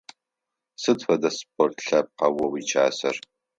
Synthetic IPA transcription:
sɨdfɐdɐspʰʼortʰɬɐp̚qɐwɔwiːt͡ʃʰʼaːsɐr

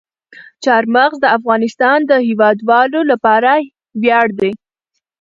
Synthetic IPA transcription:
t͡ʃɑɾmaɣzd̪əafɣɑnɪst̪ɑnd̪əhɪwɑd̪wɑlolapɑɾa | wjɑɽd̪e

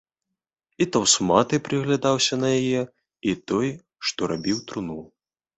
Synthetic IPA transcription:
it̪awsmat̪ɨpɾɨɣlʲad̪awsʲɐnɐjajɛ | it̪ɔj | ʂt̪ɔɾabʲiwt̪ɾunul

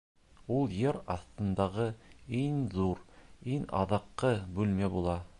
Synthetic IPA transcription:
ulˠjɘɾɑθt̪ɤ̆nd̪ɑʁɤiŋðuɾiŋɑ̰ðɑqːɤbʉlmæbulˠɑ

